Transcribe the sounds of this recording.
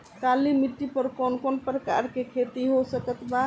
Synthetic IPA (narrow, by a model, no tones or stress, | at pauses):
kalimiʈːipəɾkɔnkɔnpɾəka̰ɾkekʰet̪iɦosəkət̪ba